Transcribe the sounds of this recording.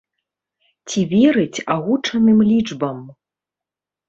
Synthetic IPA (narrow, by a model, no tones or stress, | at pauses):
t͡sʲivʲɛɾɨt͡sʲaɣut͡ʂɐnɨmlʲid͡ʐbɐm